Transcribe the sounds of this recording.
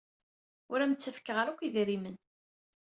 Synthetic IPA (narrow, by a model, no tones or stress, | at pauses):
ʊɾæmt͡sːəfkːəʁəɾækʷiðɾimən